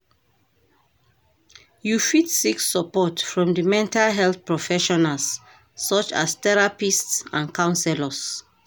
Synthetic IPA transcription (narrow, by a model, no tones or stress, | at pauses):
jufitsikssəpɔtfɹɔ̃mdəmɛ̃ntalɦɛlθpɹɔfɛʃɔnalsː | ɔt͡ʃa̰st̪ɛɹapistsã̰nkʰãʊ̃nsɛləs